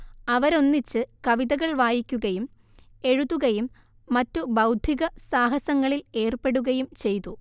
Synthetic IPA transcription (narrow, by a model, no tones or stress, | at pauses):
ɐʋɐɾo̞nːit͡ɕːɨkɐʋiðɐɣɐɭʋaːjikʲːuɣɐjum | e̞ɻuðːuɣɐjumː | ɐtːubɐwd̪ʱiɣɐsaːɦɐsɐŋːɐɭile̞ːrpe̞ɽuɣɐjumt͡ɕe̞jt̪u